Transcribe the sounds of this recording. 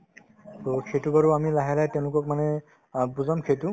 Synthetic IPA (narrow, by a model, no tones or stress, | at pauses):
tɔkʰetubaɹuamilaɦalajtɛʊ̃lʊkɔk̚manɛ | buzamkʰetu